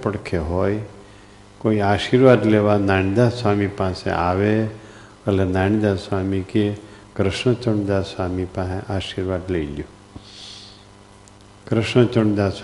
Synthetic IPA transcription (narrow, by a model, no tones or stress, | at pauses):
pəɽkʰeɦoːj | koːiaːʃiːɾʋaːd̪leːʋanaːnid̪aːsʋaːmipãːsḛ̃ʔaːʋe | əlenaːñid̪aːsʋaːmike | kɾɪʃɳət͡ʃəɳd̪aːsaːmipãɦʔaːʃiːɾʋaːd̪leilijo | kɾɪʃɳət͡ʃəɳd̪aːs